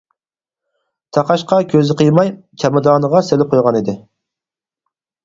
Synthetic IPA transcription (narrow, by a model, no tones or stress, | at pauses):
t̪ʰɑqɑʃqɑkʲʰøzɪqʰəjmɑjt͡ʃʰɑmɨd̪ɑːnəʁɑselɪp̚qʰojʁɑnid̪ɪ